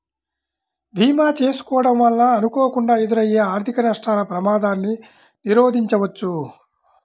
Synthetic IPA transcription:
bʱiːmaːt͡ʃe̞ːsu̥kɔːʋɐɽɐmʋɐlːaːnukɔːɐkuɳɖaːed̪uɾɐjeːaːɾt̪ʰikɐnɐʂʈʰaːlɐpɾɐmaːd̪aːnːi | niɾoːd̪ʱiɲt͡ʃɐʋɐt͡ʃːu

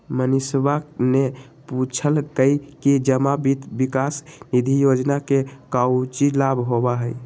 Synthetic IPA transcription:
mənisbakne | put͡ʃʰəlkəjkid͡ʒəmabit̪bikasnid̪ʱijod͡ʒnakekawt͡ʃilabʱɦobaɦəj

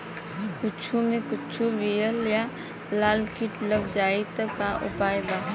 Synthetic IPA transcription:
kʊt͡ʃʰumẽkʊt͡ʃʰubijəlja | laːlkiʈləɡd͡ʒaːit̪əkaʔʊ̰paːjba

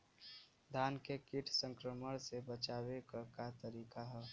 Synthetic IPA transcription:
d̪ʱaːnkekɪʈʰsə̃ŋkɾəməɽ̃sebət͡ʃaːwekkat̪əɾiːkaɦɛː

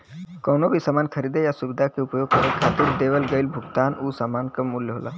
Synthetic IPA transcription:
kɔːnobʱisaːmaːnkʰəɾid̪ejasubɪd̪ʱakeʊpjoɡ̚kəɾekʰaːt̪ɪɾd̪eʋəlɡəɪlbʱʊɡt̪aːnusamankəmːuljɦo̰la̰

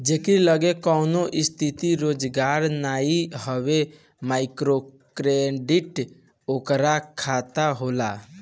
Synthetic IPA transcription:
d͡ʒeːkiləɡekɔːnoʔɪst̪ʰit̪iɾoːd͡ʒɡaːɾnaːiɦəʋe | maːɪkɾokɾeɖɪʈ | oːkɾakʰat̪aɦoːla

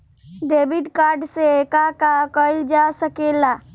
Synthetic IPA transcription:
ɖebiʈkaɾɖseekakakəid͡ʒasəkela

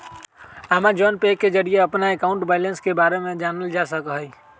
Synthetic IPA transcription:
əmad͡ʒɔːnpeːkːed͡ʒəɾieɐpnaekaʊ̃ɳʈbɛːɪlẽnskebaːɾemẽd͡ʒaːnəld͡ʒasəkɦəi

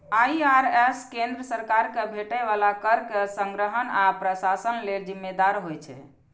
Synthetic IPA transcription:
aiaɾɛskend̪ɾəsəɾkaɾkebʱeʈɛβalakəɾkesəŋɡɾəɦənapɾəsasənleld͡ʒimːed̪aɾɦojt͡ʃʰɛ̰

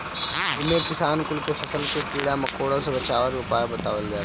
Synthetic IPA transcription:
d͡ʒɪmekɪsaːnkʊlkefɐsəlkepiːɽamɐkoːɽãsebɐt͡ʃaːʋəɾopaːjabɐt̪aːʋəlɡaː

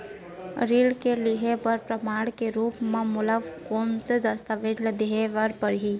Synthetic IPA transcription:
ɾiːlkeliɦepəɾpɾəmaːɽkeɾuːpmẽmʊləʋkoːnsed̪əst̪əʋed͡ʒld̪eɦeʋəɾpəɾɦi

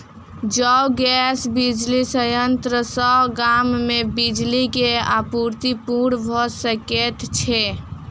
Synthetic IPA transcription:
d͡ʒəwɡɛsbid͡ʒlisəjənt̪ɾəsəɡamːebid͡ʒlikeapuɾt̪ipuɳbʱɔsəket̪t͡ʃʰɛ

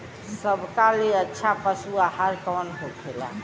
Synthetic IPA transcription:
səbʱkaleətːʃʰapəsuahaɾkɔnɦokʰela̰

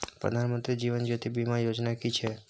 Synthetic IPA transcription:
pɾə̰d̪ʱanmənt̪ɾid͡ʒiʋənd͡ʒot̪ibimãjod͡ʒnakit͡ʃʰe

